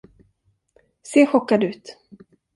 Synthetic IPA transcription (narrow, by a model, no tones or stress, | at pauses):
seːɧɔkːad̪ʉ̟ːt̪